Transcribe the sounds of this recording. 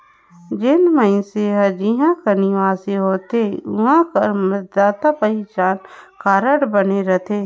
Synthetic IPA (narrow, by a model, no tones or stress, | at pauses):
d͡ʒɪnməɪ̃nseɦəd͡ʒiɦãkɐniʋaːseɦoːt̪eʊɦãkəməd̪aːt̪apəit͡ʃaːnkaːɾəɽbəneɾət̪ʰeː